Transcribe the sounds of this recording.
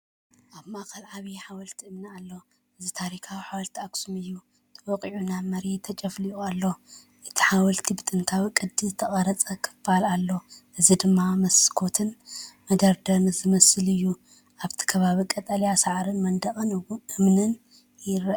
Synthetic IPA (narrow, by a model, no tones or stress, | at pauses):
ʔaβmaʔkʰɐlʕaβiħawɐlt̪ʰiɨmnɨalːo | ʔɨzit̪ʰaɾikʰawiħawɐlt̪ʰiaksumɨjːu | t̪ʰɐwɔkʼʕunamɐɾet̪ʰɐt͡ʃʼɐfliʔualːo̞ | ʔɨt̪ʰi̥ħawɐlt̪ʰibɨt̪ʼɨnt̪ʰawikʼɨd̪izɨt̪ʰɐχʼɐɾɐt͡sʼɐkʰɨ̥falalːo̞ʔɨzid̪ɨmːamɐskʰo̞t̪ʰɨnmɐd̪ɐɾd̪ɐnɨzɨmɐsɨlɨjːu | ʔaβt̪ʰi̥kʰɐβaβikʼɐt̪ʼɐljasaʕɾɨnmɐnd̪ɐχʼɨnwuʔɨmnɨn | jɪɾ